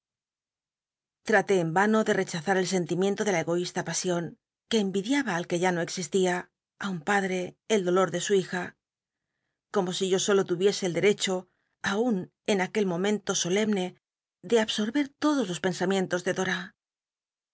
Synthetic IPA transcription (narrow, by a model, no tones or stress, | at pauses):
t̪ɾat̪e̞ːmbano̞ðe̞re̞t͡ʃaθaɾe̞lse̞nt̪imje̞nt̪o̞ðelae̞ɣo̞ist̪apasjo̞ŋ | ke̞ːmbiðjaβaːlke̞ʝano̞e̞ksist̪ia | aumpaðɾe̞ːld̪o̞loɾðe̞suixa | ko̞mo̞siʝo̞so̞lo̞t̪uβje̞se̞ːld̪e̞ɾe̞t͡ʃo̞ | aun | e̞nake̞lmo̞mẽ̞nt̪o̞so̞le̞mne̞ | ðe̞aβso̞ɾβe̞ɾt̪o̞ðo̞zlo̞spe̞nsamjẽ̞nt̪o̞zðe̞ðo̞ɾa